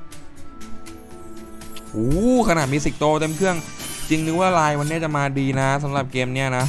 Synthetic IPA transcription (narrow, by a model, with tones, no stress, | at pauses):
ʔuː˨˩kʰa˧naː˨˩t̪̚miː˧si˨˩k̚t̪oː˧t̪e˧mkʰɯ˥˩əŋ | t͡ɕi˧ŋnɯ˧˥waː˥˩laː˧jwa˧nːi˦˥ɐ˩t͡ɕa˨˩maː˧diː˧na˦˥s̬a˩˦mɾa˨˩p̚keː˧mni˥˩ɐna˦˥